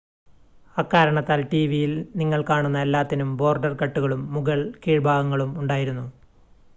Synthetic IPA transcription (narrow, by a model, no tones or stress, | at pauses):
ɐkːaːɾɐɳɐt̪ːaːlʈiːʋijilniŋːɐɭkaːɳunːɐelːaːt̪ːinumbo̞ːrɖɐrkɐʈːuɣɐɭumːuɣɐɭkiːɻbʱaːɡɐŋːɐɭumuɳɖaːjiɾunːu